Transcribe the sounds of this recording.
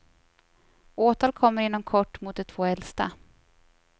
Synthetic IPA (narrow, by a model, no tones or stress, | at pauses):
oːt̪ʰɑːlkʰɔmːəɾɪnːɔmkʰɔʈːmʊt̪̚d̪ɛt̪ʰv̥oːɛlst̪a̰